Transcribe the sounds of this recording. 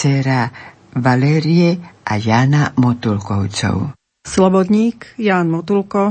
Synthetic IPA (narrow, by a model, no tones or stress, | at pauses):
t͡sɛɾa | ʋalɛːɾijɛʔajaːnamɔt̪ulkɔʊt͡sɔ̰ʊ | slɔbɔd̪ɲiːkjaːnmɔt̪ulkɔ